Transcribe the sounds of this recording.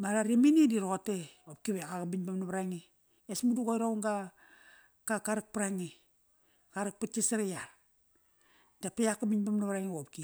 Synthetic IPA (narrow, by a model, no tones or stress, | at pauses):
maɾaɾiminidiɾooteop̚kiβeɣaɣabiɲbamnaβaɾaŋi | esmuduɡojɾauŋɡa | kakaɾak̚paɾaŋi | kaɾak̚pat͡ʃisaɾejaɾ | tapejakabiɲbamnaβɾaŋiop̚ki